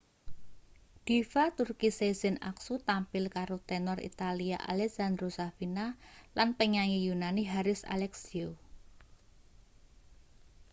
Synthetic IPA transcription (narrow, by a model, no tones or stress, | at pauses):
d̪̥ifat̪urkisezɪna̰ksut̪ampɪlkaɾot̪ɛnɔrḭt̪alia̰ʔa̰lɛksand̪ɾosafinalanpəɲaŋijunaniɦaɾɪsa̰lɛksio